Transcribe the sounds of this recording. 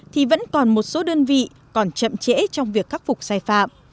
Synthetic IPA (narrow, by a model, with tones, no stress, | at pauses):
t̪ʰi˨˩və̰˧˥nkɔ˨˩nmo˨˩t̚so˨˦ɗəː˧nvḭ˧˨ | kɔ˨˩nt͡ɕə̰˧˨mt͡ɕḛ˧˥t͡ɕɔ˧wŋ͡mvi˨˩əkːaː˦˥k̚fʊ˨˩k͡p̚saː˧jfa̰ː˧˨m